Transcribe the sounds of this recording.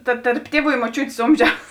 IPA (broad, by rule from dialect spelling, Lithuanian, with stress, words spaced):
tɐ tɐrp ˈtʲiɛˌʋuː ɪ moːˈt͡ʃʲuːtʲeːs ˈoːmʲʒʲɛʊs